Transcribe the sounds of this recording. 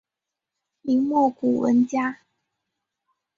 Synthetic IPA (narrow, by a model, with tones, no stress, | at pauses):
li˧˥ŋmɔ˥˨ku˨˩wə̰˧˦nt͡ɕja˦